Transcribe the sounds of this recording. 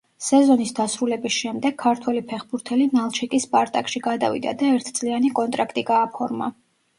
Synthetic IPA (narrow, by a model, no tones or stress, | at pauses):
sɛzɔnisd̪asɾulɛbisʃɛmd̪ɛɡ̚ʰːaɾt̪ʰwɛlipʰɛχbuɾt̪ʰɛlinalˠt͡ʃʰikʼispʼaɾt̪ʼakʼʃiɡad̪a̰vḭd̪a̰d̪aɛɾt̪ʰt̪sʼlianikʼɔnt̪ʼɾakʰt̪ʼiɡaːpʰɔɾma̰